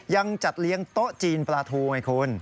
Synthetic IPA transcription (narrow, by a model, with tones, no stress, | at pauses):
ja˧ŋt͡ɕa˨˩t̪̚li˦˥əŋt̪o˦˥ʔt͡ɕiː˧nplaː˧t̪ʰuː˧ŋa˧˩kʰo˧˥n